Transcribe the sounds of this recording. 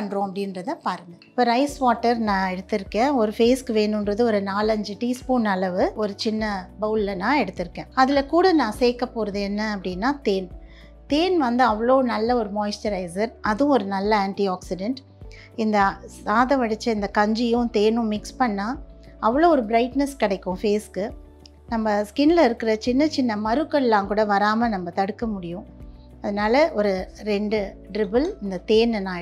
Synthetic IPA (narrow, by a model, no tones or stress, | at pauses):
ɐɳɖɾõːɐpːɐɽɪnɾɐðɐpaːɾnɡ̪ɐpoːɾɐɪsʋaːʈːɐɾnãːɛɽɯt̪ːɯɾɯkːẽːɔɾɯfeːskɯʋeːnɯnɾɐðɯɔɾɯnaːlɐɲd͡ʒɯʈiːspuːnɐlɐʋɯɔɾɯt͡ʃɪnːɐbɐʊlɪlɐnãːɛɽɯt̪ːɪɾɯkːẽːɐðɪlɐkuːɽɐnãːseːkːɐpːoːɾɯðɯɛnːɐɐpːɐɽɪnːaːt̪eːn | t̪eːnʋɐnd̪ɯɐʋːɐɭoːnɐlːɐɔɾɯmoːjsʈɐɾɐɪsɐɾʔɐðʊ̃ɔɾɯnɐlːɐaːɳʈiaːksɪɖɛɳʈ | ɪnd̪ɐsaːðɐʋɐɽɪt͡ʃːɐɪnd̪ɐkɐɲd͡ʒɪjʊ̃t̪eːnʊ̃mɪkspɐɳːaːɐʋːɐɭoːɔɾɯbɪɾɐɪʈnɐskɐɽɐɪkːʊ̃feːskɯ | nɐmːɐskɪnlɐɪɾɯkːɯɾɐt͡ʃɪnːɐt͡ʃɪnːɐmɐɾɯkːɐɪlːãːŋkuːɽɐʋɐɾaːmɐnɐmːɐt̪ɐɽɯkːɐmʊɽɪjʊ̃ | ɐðɐnaːlɐʔɔɾɯɾɛɳɖɯ | ɖɾɪbɐlɪnd̪ɐt̪eːnnaː